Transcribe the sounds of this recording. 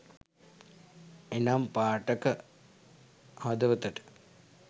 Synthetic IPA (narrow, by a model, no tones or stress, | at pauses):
enampaːʈəkə | ɦod̪ɐʋət̪əʈə̥